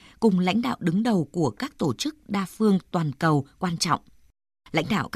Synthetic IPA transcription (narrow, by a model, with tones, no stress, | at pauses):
kʊ˨˩ŋ͡mla̰˧˥jŋ̟ɗa̰ː˧˨wɗɨ˨˦ŋɗə˨˩wku˧˩əkaː˦˥k̚t̪o˧˩t͡ɕɨ˦˥k̚ɗaː˧fɨ˧əŋt̪waː˨˩nkə˨˩wkwaː˧nt͡ɕɔ̰˧˨wŋ͡m | la̰˧˥jŋ̟ɗa̰ː˧˩wk